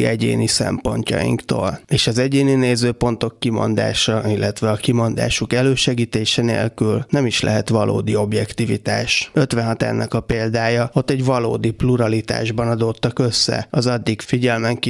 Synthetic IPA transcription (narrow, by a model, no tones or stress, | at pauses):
ɛɟḛːnisɛ̰mpo̞̰ɲcɒ̰jḭŋkt̪o̰ːleːʃɒzɛɟeːnineːzøːpo̞nt̪o̞kːimo̞̰nd̪a̰ːʃɒilːɛt̪ʋɛɒkimo̞nd̪a̰ːʃukɛløːʃɛɡiːt̪eːʃɛnḛːlkylnɛmiʃlɛ̰ɦɛt̪ʋɒlʔo̰ːd̪io̞bjɛkt̪ivḭt̪aːʃø̞t̪ʋɛnɦɒt̪ɛ̰rnʔɒkɒpeːld̪aːjɒo̞t̪ːɛɟvɒlo̰ːd̪ipluɾɒlit̪a̰ːʒbɒnɒd̪ot̪ːɒkøsːɛ̰ɒzɒd̪ːikfiɟɛlmɛŋk